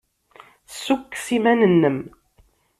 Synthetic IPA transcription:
sːukːsimænənːəm

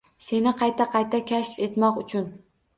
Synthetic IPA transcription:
se̞nɪqʰɑjt̪ʰaqʰɑjt̪ʰakʲʰaʃfe̞t̪mɒqʊt͡ʃʰʊn

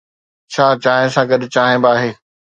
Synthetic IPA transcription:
t͡ɕʰaːt͡ɕaːɦɪ̃sãɡɐɗt͡ɕaːɦɪ̃baːɦeː

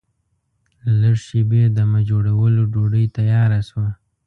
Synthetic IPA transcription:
laɽʃebed̪əmad͡ʒoɽawəloɖoɖəjt̪ajɑɾaswa

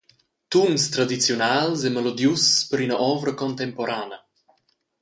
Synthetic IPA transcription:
t̪umst̪ɾad̪it͡sjɔnalsemelod̪juspəɾinəʔɔvɾəkɔnt̪ɛmpoɾaːnə

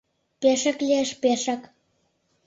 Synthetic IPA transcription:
peʃaklʲieʃpeʃɑk

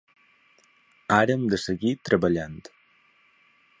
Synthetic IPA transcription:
aɾəːmd̪əsəɣit̪ɾəβəʎant̪

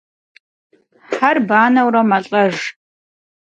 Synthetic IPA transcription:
ħarbaːnɐwrɐmɐɬʼɐʒ

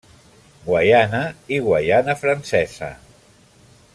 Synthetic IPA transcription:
ɡwajanaiɣwajanəfɾansɛzə̰

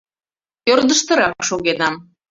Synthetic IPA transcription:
ørd̪əʃt̪ə̆ɾɑkʃoɣenɑm

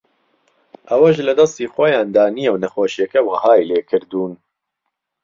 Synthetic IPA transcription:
ʔɐwɐʒlɨd̪ɐst̪iːxwɐjaːnd̪aːniːjɛwnɐxoːʃijɛkɛwɐhaːjleːkʰɨɾd̪uːn

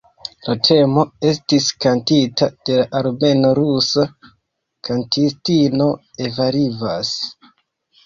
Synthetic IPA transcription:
latʰe̞mo̞e̞stiskantitad̥e̞laʔaɾme̞no̞ɾusa | kʰantistino̞e̞vaɾivas

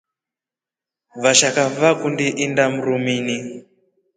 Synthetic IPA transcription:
ʋaʃakavakundiʔindam̩ɾumini

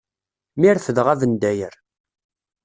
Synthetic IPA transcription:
miɾθəðʁævənd̪æjəɾ

